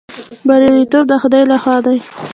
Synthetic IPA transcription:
baɾaɾit̪ob̚d̪əxʊd̪ɑjlaxwɑd̪aj

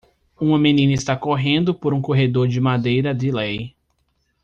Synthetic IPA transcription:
ũmɐmẽnĩnɐist̪akoɦẽnd̪ʊpoɾũkoɦed̪oɾd͡ʒɪmad̪ejɾɐd̪ɪlej

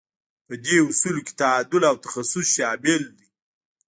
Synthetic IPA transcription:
pəd̪eʊsuloke̥t̪aad̪ʊlawt̪ḁxasʊsʃɑmeld̪i

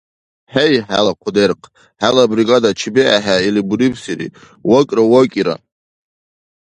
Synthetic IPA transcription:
ħejħa̰laqʷʰod̪erqʰʼ | ħalabɾiɡad̪at͡ʃʰibiaħailibuɾibʰsiɾḭ | wakʲʼrawakʲʼiɾa̰

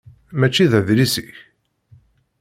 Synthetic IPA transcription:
mæt͡ʃːiðæðlisiç

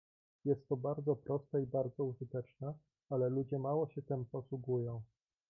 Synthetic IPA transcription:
jɛst̪ːɔbaɾd̪zɔpɾɔst̪aibaɾd̪zɔuʐɘt̪ɛt͡ʂna | alɛlud͡ʑɛmawɔɕɛt̪ɛmpɔswuɡujɔ̃w̃

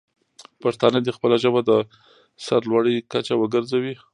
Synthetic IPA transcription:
paɾt̪ɑnəd̪ixpəlaʒəbad̪ə | saɾlwaɽikat͡ʃawəɡəɾzawi

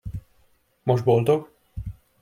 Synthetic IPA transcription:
moʒd̪̚bo̞ld̪oɡ

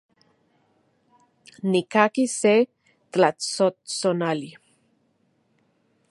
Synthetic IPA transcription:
nikakise | t̪lasosonali

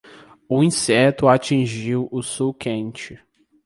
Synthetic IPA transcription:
ʊĩsɛt̪ʊat͡ʃĩʒiwʊsukʰẽnt͡ʃɪ

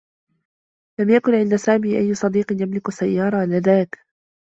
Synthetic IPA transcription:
lamjakʊnʕɪnd̪asaːmiːʔajːʊsˤɑd̪iːqɪnjamlɪkʊsajːɑːɾˤɑlaðaːk

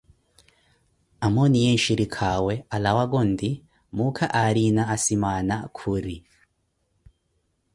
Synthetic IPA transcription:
amonijeʃiɾikʰawealawaɡondi | mukʰaʔaɾinaːsimanakʰuɾi

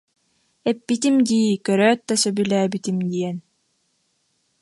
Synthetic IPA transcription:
ɛpːit̪̬imd̪iːkœɾœːt̪̚ːɛsœbylæːbit̪imd̪iɛn

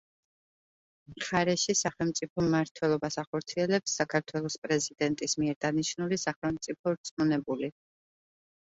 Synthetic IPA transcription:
mχaɾɛʃisaχɛlˠmt̪sʼipʰɔmːaɾt̪ʰwɛlˠɔbasaχɔɾt̪sʰiɛlɛpsːakʰaɾt̪ʰwɛlˠɔspʼɾɛzid̪ɛnt̪ʼismiɛɾd̪aniʃnulisaχɛlˠmt̪sʼipʰɔɾt̪sʼmunɛbuli

